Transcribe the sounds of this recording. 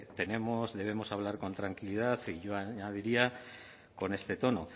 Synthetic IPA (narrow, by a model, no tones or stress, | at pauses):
t̪e̞ne̞mozðe̞β̞e̞mo̞saβlaɾko̞nt̪ɾaŋkilið̞aθiʝo̞aɲað̞iɾia | ko̞ne̞st̪e̞t̪o̞no̞